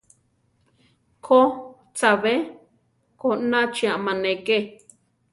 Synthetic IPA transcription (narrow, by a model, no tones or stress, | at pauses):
kʰo | t͡saβe | konãt͡ʃiamãnẽke